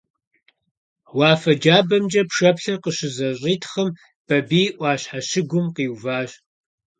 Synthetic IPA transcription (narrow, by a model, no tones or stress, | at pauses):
wɑːfɐd͡ʒaːbɐmd͡ʒɐpʂɐpɬɐqəɕɪzɐɕʼiːtʰχɐm | b̥ɐbiːʔʷɑːɕħaɕɪɡʷʊmqiːwvaːɕ